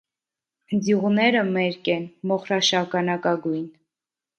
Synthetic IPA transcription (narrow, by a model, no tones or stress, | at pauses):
d͡zjuʁnɛɾəmɛɾkɛnmɔχɾɑʃɑkɑnɑkɑɡujn